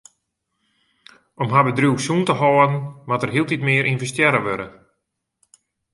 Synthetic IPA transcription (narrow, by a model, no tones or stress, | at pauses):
ɔmɦabədruwsuːntəɦɔːdn̩matərɦilˠtitmɪːəɾʔinfəstjɛɾəʋøɾə